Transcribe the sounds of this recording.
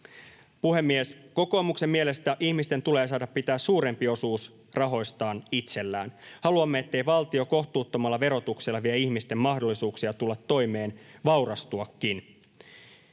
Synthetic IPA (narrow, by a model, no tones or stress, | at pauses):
puhe̞mːiesko̞ko̞ːmukse̞mmiele̞st̪æʔiçmist̪ent̪ule̞ːsɑːdɑppit̪æːssuːɾe̞mpio̞suːs | rɑɦo̞jst̪ɑːnit̪se̞lːæːnhɑluɑmːeet̪ːe̞jʋɑlt̪io̞ko̞ht̪uːt̪ːomɑlːɑʋe̞ɾo̞t̪ukselːɑʋieiçmist̪e̞mːɑhdolːisuːksiɑt̪ulːɑt̪ːo̞jme̞ːnʋɑwɾɑst̪uɑkːin